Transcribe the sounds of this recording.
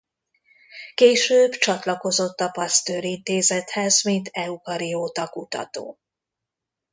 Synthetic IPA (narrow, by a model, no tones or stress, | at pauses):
keːʃøːbt͡ʃɒt̪lɒko̞zo̞t̪ːɒpɒst̪øːɾint̪eːzɛt̪hɛzmint̪ʰɛukɒɾioːt̪ɒkut̪ɒ̰t̪o̰ː